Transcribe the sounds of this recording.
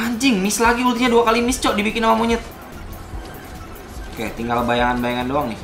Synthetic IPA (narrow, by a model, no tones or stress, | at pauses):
aɲd͡ʒɪŋmɪslaɡiulut̪ihɲaduakalimɪst͡ʃɔʔdibikɪnamamuɲət̪̚ | kḛt̪iŋɡalbajaŋanbajaŋandoaŋnɪh